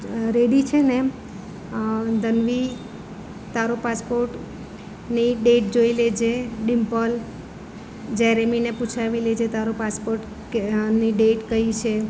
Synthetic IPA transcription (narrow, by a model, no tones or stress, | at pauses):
ɾeɽit͡ʃʰene | d̪ənʋi | t̪aɾopaspoɾʈ | niɖeʈ̚d͡ʒoiled͡ʒeɖimpɔl | d͡ʒɛɾemineput͡ʃʰaʋiled͡ʒet̪aɾopaspoɾʈ | niɖeʈkəit͡ʃʰe